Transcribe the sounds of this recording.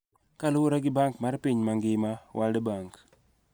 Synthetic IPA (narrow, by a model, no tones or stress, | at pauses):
kalʊwoɾaɡɪbaŋkmarpiɲmaŋɡɪmawʔaldebaŋk